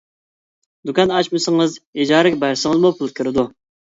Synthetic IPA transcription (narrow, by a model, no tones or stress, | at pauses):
d̪ukʰʲɑnɑt͡ʃmɨsɨŋɨzid͡ʒɑːɾɪkʲbæɾsɨŋəzmupʰʊlˠt̪̚kʲʰyɾɪd̪u